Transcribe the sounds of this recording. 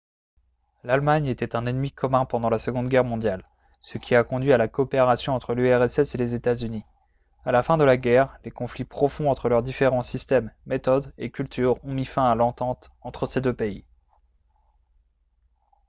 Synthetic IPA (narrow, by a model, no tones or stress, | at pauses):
lalmaɲet̪ɛt̪ɛ̃nɛnmikʰɔmɛ̃pɑ̃d̪ɑ̃lasəɡɔ̃d̪ɡʲɛʁmɔ̃d̪jal | səkʲiakɔ̃d̪ɥialakɔːpeʁasjɔ̃ɑ̃t̪χəlyɛʁɛsɛselezet̪azyni | alafɛ̃d̪əlaɡʲɛʁlekɔ̃flipχɔfɔ̃ɑ̃t̪χəlœʁd̪ifeʁɑ̃sist̪ɛmːet̪ɔd̪ekʲylt̪ʰyʁɔ̃mifɛ̃alɑ̃t̪ɑ̃t̪ɑ̃t̪χəsed̪øpei